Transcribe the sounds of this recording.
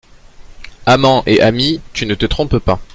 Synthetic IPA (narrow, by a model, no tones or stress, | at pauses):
amɑ̃ʔeʔamit̪ynət̪ət̪χɔ̃ppa